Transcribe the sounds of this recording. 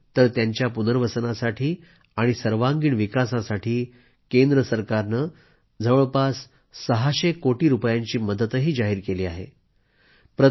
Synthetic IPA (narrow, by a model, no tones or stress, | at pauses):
t̪əɾt̪jaɲt͡ɕjapunəɾʋəsənasaʈʰiː | aɽ̃isəɾʋaŋɡiːɳʋikasãsaʈʰiː | kend̪ɾəsəɾkaɾnə | d͡zʱəʋəɭpasː | əɦaɕekoʈiːɾupjaɲt͡ɕiːməd̪ət̪ɦiːd͡zaɦiːɾkeliːaɦḛ | pɾə